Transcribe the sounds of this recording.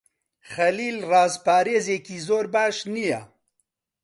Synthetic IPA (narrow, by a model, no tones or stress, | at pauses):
xɐliːlrɑːzpaːɾeːzeːkizoːɾbaːʃnija̰